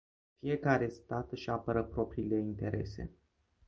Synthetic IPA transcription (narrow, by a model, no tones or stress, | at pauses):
fije̞kaɾe̞st̪at̪ɨʃapəɾəpɾo̞pɾile̞int̪e̞ɾe̞̰se̞̰